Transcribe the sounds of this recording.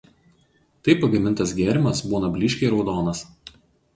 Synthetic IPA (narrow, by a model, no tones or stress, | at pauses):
t̪ɐɪpɐɡɐmʲɪnt̪ɐs̬ɡʲæːɾʲɪmɐsbuːnɐbʲlʲɪːʃʲkʲɛɪɾɒʊd̪oːnɐs